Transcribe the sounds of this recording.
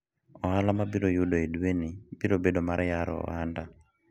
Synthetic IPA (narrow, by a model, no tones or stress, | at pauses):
ɔɦalamabiɾojudɔeduwenibiɾobedɔmaɾʔɛjaɾɔ̰ɔ̰anda